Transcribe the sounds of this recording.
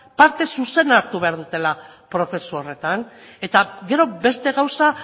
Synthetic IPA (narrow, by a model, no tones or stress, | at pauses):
paɾt̪e̞suse̞naɾt̪uβeaɾðut̪e̞lapɾo̞θe̞suo̞re̞t̪an | e̞t̪aɡe̞ɾo̞be̞st̪e̞ɣawsa